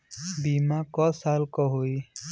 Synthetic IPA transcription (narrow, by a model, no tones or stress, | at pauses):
bimakɔsalkɔɦoj